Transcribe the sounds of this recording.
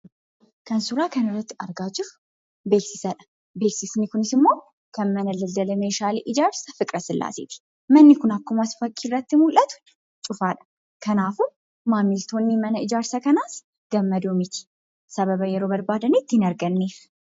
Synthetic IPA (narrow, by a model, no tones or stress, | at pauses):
kɐnsʊɾaːkɐnɪrːɐt̪ːɐɾɡaːt͡ʃːɪfʊ̥ | be̞ːksɪsɐᶑɐ̥ | be̞ːksɪsnɪkʊnɪsɪmːo̞ː | kɐnmɐnɐlɐld̪ɐlɐmeːʃaːliːʔɪd͡ʒaːɾsɐfɪkʼɾɐsɪlʔa̰ːsɪ̰t̪ɪ̥ | mɐnːɪkʊnɐkːʊmɐsfɐkʰːiːrːɐt̪ːɪmʊlʔɐt̪ʊ̥ | t͡ʃʼʊfaːᶑɐ̥ | kɐnaːfʊn | maːmɪlt̪ʰoːnːimɐnɐɪd͡ʒaːɾsɐkɐnaːs | ɡ̥ɐmːɐd̪umɪt̪ʰɪ̥ | sɐβɐbɐjɛɾoːbɐɾbaːd̪ɐniːt̪ːɪhɪnɐɾɡɐnːeːf